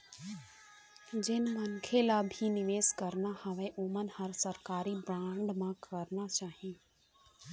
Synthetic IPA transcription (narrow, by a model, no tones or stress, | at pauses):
d͡ʒɪnmənkʰelabʱinɪʋeːskəɾnahəʋeʔʊmənhəɾsəɾkaːɾibɾãːɳɖmãkəɾnat͡ʃaːɦĩː